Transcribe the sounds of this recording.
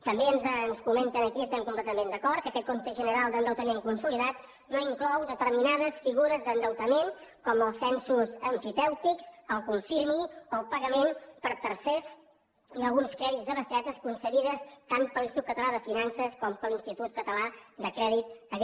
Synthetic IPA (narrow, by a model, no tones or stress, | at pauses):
t̪əmbeənznskumɛnt̪ənəkiəst̪ɛmkumplɛt̪əmend̪əkɔɾt̪kəkɛt̪̚kont̪əʒənəɾalˠd̪ənd̪əwt̪əmeŋkunsuliðat̪ | noiŋklɔwðət̪əɾminaðəsfiɣuɾəzd̪ənd̪əwt̪əmeŋkɔməlˠsɛnsuzəɱfit̪ɛwt̪ikzəlˠkuɱfiɾmioəlˠpəɣəmenpəɾt̪əɾsɛz | əlˠɣunskɾɛðitzd̪əβəst̪at̪əskunsəɣiðəst̪anpəlinst̪ut̪̚kːət̪əlaðəfinansəskɔmpəlinst̪it̪ut̪̚kət̪əlad̪əkɾɛðit̪ə